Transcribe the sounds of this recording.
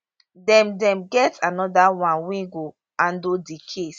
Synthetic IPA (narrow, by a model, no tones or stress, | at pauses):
dɛ̃mdɛ̃mɡɛtanɔdawãnwɛ̃ɡo | ãndodikʰes